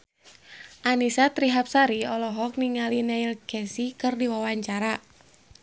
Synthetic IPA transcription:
ʔanisat̪ɾiɦap̚saɾiɔlɔɦɔk̚niŋalineilɡ̥ɛsikɨrdiwawaɲt͡ʃaɾa

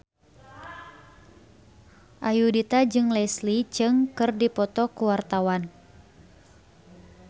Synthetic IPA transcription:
ʔajudit̪ad͡ʒɨŋlɛslit͡ʃɨŋkɨrdipɔt̪ɔkuwart̪awan

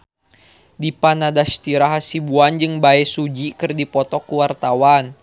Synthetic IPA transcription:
dipanadast̪iɾaɦasibuand͡ʒɨŋbaɛsud͡ʒikɨrdipɔt̪ɔkuwart̪awan

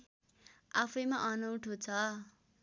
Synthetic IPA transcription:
apʰʌjmaʔʌnʌwʈʰot͡sʰʌ

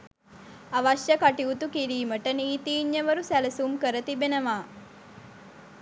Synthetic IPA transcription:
aʋaʃjəkaʈiut̪ukiɾiːməʈəniːt̪iːɲːəʋəɾusæləsumkəɾət̪ibenəʋaː

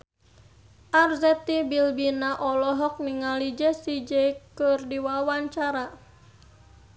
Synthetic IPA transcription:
ʔarzɛt̪ibilbinaʔɔlɔɦɔk̚niŋalid͡ʒɛsid͡ʒɛkɨrdiwawaɲt͡ʃaɾa

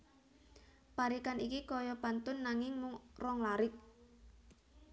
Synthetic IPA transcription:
paɾikanikikɔjɔb̥a̤nt̪ʊnːaŋɪŋmʊŋrɔŋlaɾɪk̚

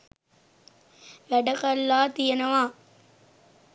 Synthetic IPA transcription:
ʋɛɽɐkɐlːaːt̪ɪjɐnɐʋaː

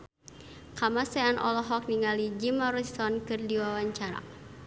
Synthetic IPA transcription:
kamasɛanʔɔ̰lɔɦɔk̚niŋalid͡ʒimaɾusɔnkɨrdiwawaɲt͡ʃaɾa̰

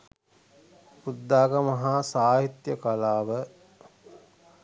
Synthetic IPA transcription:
pud̪ːaːɡəməɦasaːɦit̪jəkalaːʋə

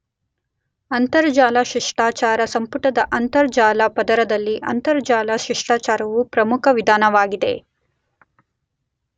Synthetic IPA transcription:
ɐnt̪ɐɾd͡ʒaːlaʃiʂʈaːt͡ʃaːɾɐsɐmpuʈɐd̪ɐʔɐnt̪ɐɾd͡ʒaːlɐpɐd̪ɐɾɐd̪ɐlːiʔɐ̰nt̪ɐɾd͡ʒaːlɐʃiʂʈaːt͡ʃaːɾɐʋupɾɐmukʰɐʋid̪ʱaːnɐʋaːɡid̪ḛ

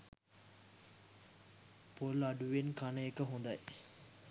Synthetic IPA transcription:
polɐɖuʋenkɐnɐekːəɦund̪ɐj

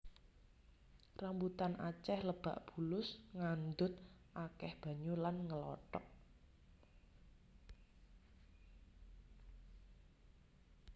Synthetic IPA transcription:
rambut̪anʔa̰t͡ʃɛhləb̥a̤̰ʔb̥ṳlʊsŋand̪ʊt̪̚ʔakɛhb̥a̤ɲulanŋəlɔ̰ʈɔk̚

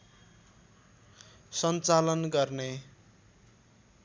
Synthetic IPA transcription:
sʌnt͡salʌnɡʌrne

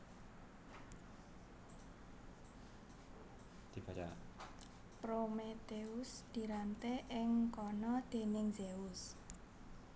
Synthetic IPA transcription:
d̪̥i̤b̥at͡ʃa̰ | pɾomet̪eusd̪̥i̤ɾant̪eʔɪŋkɔnɔd̪̥e̤nɪŋzeuʊs

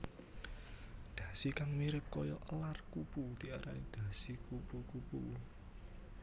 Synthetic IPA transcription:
d̪̥ä̤sikaŋmiɾɪp̚kɔjɔʔəlarkuput̪iaɾaid̪̥ä̤sikupkukupul

